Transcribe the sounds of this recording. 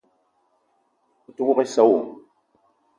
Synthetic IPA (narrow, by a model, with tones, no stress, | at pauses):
u˨tu˦ku˦ke˦sa˦wo˨